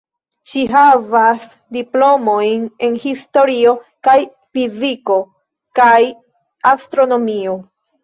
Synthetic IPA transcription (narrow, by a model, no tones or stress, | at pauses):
ʃiɦavas | diplo̞mo̞jne̞nhisto̞ɾio̞ | kaj | fiziko̞ | kaj | astɾo̞no̞mio̞